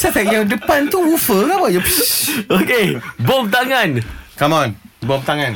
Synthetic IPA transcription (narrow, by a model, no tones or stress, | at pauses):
sat̪ɛk̚jaŋdəpant̪uufəkabaʔjɔ | okebomt̪aŋankamanbomt̪aŋãn